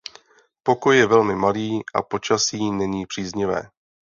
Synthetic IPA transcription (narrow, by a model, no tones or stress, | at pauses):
po̞kojjɛvɛlmɪmaliːʔa̰po̞t͡ʃasiːnɛɲiːpr̥iːzɲɪvɛ̰ː